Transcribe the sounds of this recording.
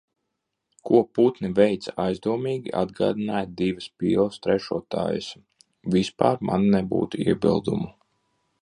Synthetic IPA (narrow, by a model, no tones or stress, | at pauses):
kuɔput̪nivɛjt̪sajzd̪uɔmiːɡʲiʔad̪ɡa̰ːd̪inaːjd̪ivəspiːlˠst̪ɾɛʃuɔt̪a̰ːjə̰s | vispa̰ːɾmʔa̰nːɛbṵːt̪uiɛbḭlˠd̪ṵmu